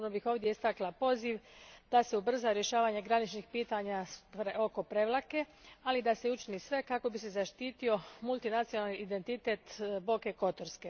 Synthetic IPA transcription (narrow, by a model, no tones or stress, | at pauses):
obnobixo̞ːʋd̪jeist̪aklapo̞ziʋd̪̥ase̞ubr̩zaɾje̞ʃaːʋaɲeɡɾanit͡ʃnixpiːt̪aɲapɾeo̞ko̞pɾe̞ʋlˠake̞ | alid̪aseut͡ʃinisʋe̞kako̞bise̞zaʃt̪iːt̪io̞mulˠt̪inat̪sijonalniid̪e̞nt̪it̪et̪bo̞ke̞ko̞t̪oɾske̞